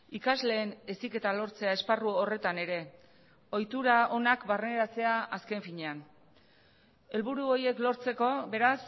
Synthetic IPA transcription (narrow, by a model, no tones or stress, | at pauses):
ikazle̞ːnesike̞t̪alo̞ɾt͡se̞ae̞sparuore̞t̪ane̞ɾe̞ | o̞jt̪uɾao̞nakbarne̞ɾat͡se̞aaske̞ɱfiɲe̞an | e̞lβuɾuo̞je̞klo̞ɾt͡se̞ko̞βe̞ɾas